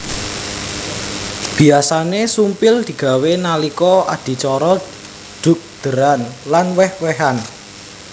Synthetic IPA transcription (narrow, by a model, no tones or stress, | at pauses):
b̥i̤asanesumpɪld̪̥i̤ɡ̥a̤wenalikɔʔa̰d̪̥i̤t͡ʃɔɾɔ | ɖ̪̥ʊ̤k̚d̪̥ə̤ɾanlanwɛhwɛɦan